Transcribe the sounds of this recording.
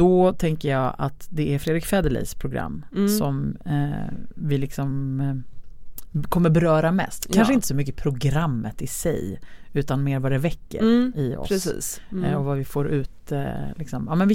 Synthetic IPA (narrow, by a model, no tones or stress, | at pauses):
d̪̥ɔt̪ʰɛŋkəjɑːɡa̰t̪d̪ɛæɾfɾeːd̪ɾɪkfɛːd̪əlḭːspʰɾʊɡɾa̰mːsɔm | vɪlɪksɔm | kʰɔmːəɾbɛɾœːɾamɛ̰st̪kʰanʂəɪnt̪əsɔmʏk̬ːəpʰɾʊɡɾamːət̪ɪsɛ̰jʉ̟ːt̪anmeːɾvad̪ɛvɛkːə̰ɾɪɔ̰ss | ɔvavɪfoːɾʉ̟ːt̪lɪksɔmɑːmɛnvɪ